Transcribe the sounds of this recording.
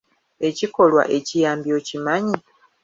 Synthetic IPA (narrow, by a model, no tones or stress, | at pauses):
e̞ciko̞lwa̰ʔe̞cijaːmbiocimaɲi